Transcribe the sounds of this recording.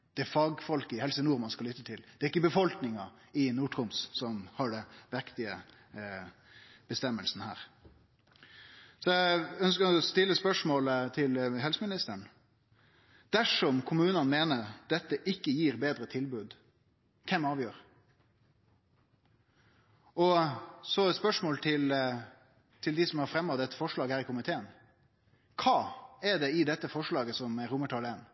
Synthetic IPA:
d̪̥ɛɛfɑɡfɔlkɪhɛlsənuːɾmɑnskɑlʏt̪ːət̪ʰɪld̪̥ɛɾɪkːəbəfɔlknɪŋɑ | ɪnuːʈʁʊmssɔmhɑɖɛnʋɛkt̪ɪə | b̥əst̪ɛmːəlsnhæ̰ːɾ | sɔæœnskəɾɔst̪ɪlːəspœʂmoːlət̪ʰɪlɦɛlsəmɪnɪst̪əɳ | d̪̥æʂɔmkʰʊmʉːnənmeːnəɾd̪̥ɛt̪ːəʔɪkːəjiːɾbeːd̪ɾət̪ʰɪlbʉːd̪ | kʰɛmɑːʋjøːɾ | ɔsɔspœʂmoːlt̪ʰɪl | t̪ʰɪld̪ɪsɔmhɑɾfɾɛmːɑʋd̪ɛt̪ːə̥fɔʂɭɑːɡhæːɾɪkʰʊmɪt̪ʰeːən | kʰɑːɛɖ̪ɛɪd̪ɛt̪ːəfɔʂɭɑːɡəsɔmɛɾʊməʈʰɑːleːn

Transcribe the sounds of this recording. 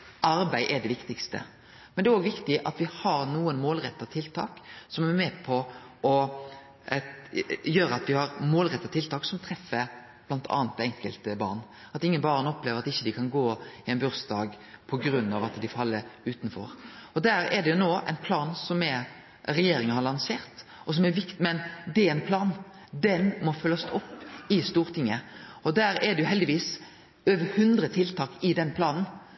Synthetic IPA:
ʔɑɾbæɪʔɛɖ̪ɛʋɪkt̪ɪkst̪ə̰ | mɛnɛɾɔːɡʋɪkt̪ɪʔɑt̪ʋɪhɑɾnuːənmoːlɾɛt̪ːɑt̪ʰɪlt̪ʰɑːksɔmæmɛːpʰɔʔɔ | jøːɾəɑt̪ʋɪhɑɾmoːlʁɛt̪ːɑt̪ʰɪlt̪ʰɑːksɔmt̪ʰɾɛfːə | b̥lɑnt̪ʰɑ̰ːnt̪ɛŋkəlt̪əbɑ̰ɾn | ɑt̪ɪŋːənbɑːɾnɔpleːʋəɾɑt̪ɪçːəd̪ɪkʰɑnɡoːɪɛɪnbʉɾsd̪ɑːɡ | pʰɔɡɾʉnːɑʋɑt̪d̪ɪfɑlːəʉːt̪n̩fɔ̰ɾɔd̪æːɾɛd̪ɛjʊnoːʔæ̰ɪnpʰlɑːnsɔmɛ | ɾɛjeːɾɪŋəhɑɾlɑnseːɾt̪ɔs̬ɔmɛɾʋɪkt̪ɪmɛnd̪ɛæɪnpʰlɑːn | d̪ɛnmɔfœlɑsɔpːɪst̪uːɾt̪ʰɪŋːəɔd̪æːɾɛd̪ɛjʊɦɛld̪ɪʋiːs | øːʋəɾhʉnd̪ɾət̪ʰɪlt̪ʰɑːkɪd̪ɛnpʰlɑːnn̩

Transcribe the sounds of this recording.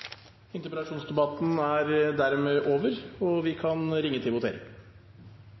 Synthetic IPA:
ɪnt̪ʉpəɾɑʂuːnsd̪ɛbɑt̪n̩æɾd̪æɾmeːʔoːʋəɾɔʋɪkʰɑnɾɪŋːət̪ʰɪlʋʊt̪ʰḛːɾɪ̰ŋ

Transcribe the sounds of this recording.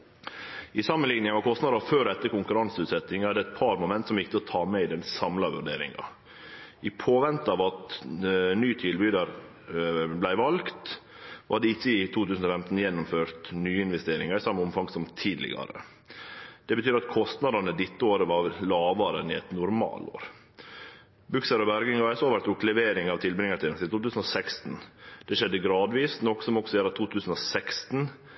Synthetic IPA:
ɪsɑmənlɪŋnɪŋəʋɑkʰɔst̪nɑd̪ɑføːɾɛt̪ːəkʊŋkʉɾɑnsəʉːt̪sɛt̪ːɪŋɑd̪ɛt̪̚pʰɑɾmʊmɛnt̪sɔmjɪkt̪əɔt̪ʰɑːmɛɪd̪ɛnsɑmlɑʋʉ̰ɖeːɾɪ̰ŋɑ̰ | ɪpʰoːʋɛnt̪ɑːʋɑt̪ | nyːt̪ʰɪlbyːd̪ɑɾ | blæɪʋɑlɡt̪ | ɑɑd̪ɛɪçːəɪt̪uːt̪ʰʉːsn̩ɔfɛmt̪n̩jɛnːʊmføːɾt̪nyːəɪnʋɛst̪eːɾɪŋəɾɪsɑmːəʊmfɑŋsɔmt̪ʰiːd̪lɪ̰ɡɑ̰ɾə̰ | d̪̥ɛbət̪ʰyːɾɑt̪kʰɔst̪nɑd̪ɑnəd̪ɪt̪ːəoːɾəʋɑlɑːʋɑɾənɪɛt̪nʊɾmɑ̰ːlo̰ːɾ | bʉksəɾɔbæɾɡɪŋɑɛsoːʋæɾt̪ʊklɛʋeːɾɪŋɑʋt̪ʰɪlbɾɪŋːəʈ̪ʰɪːsɪt̪ʰuːt̪ʉːsn̩ɔsɛkst̪n̩d̪̥ɛʂɛd̪ːəɡɾɑːd̪ʋiːsnɔksɔmɔksɔeːɾɑt̪ʰuːt̪ʰʉːsən̩ɔsɛkst̪n̩

